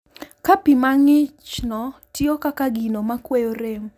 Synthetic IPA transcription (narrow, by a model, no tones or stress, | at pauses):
kapimaŋɪt͡ʃnɔtɪɔkakaɡinomakwejoɾem